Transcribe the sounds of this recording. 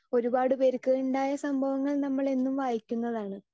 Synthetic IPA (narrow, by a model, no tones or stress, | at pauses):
o̞ɾubaːɽɨpeɾukːɐjuɳɖaːjɐsɐmbʱɐʋɐŋːɐɭnɐmːɐɭe̞nːumʋaːjikʲːunːɐðaːɳɨ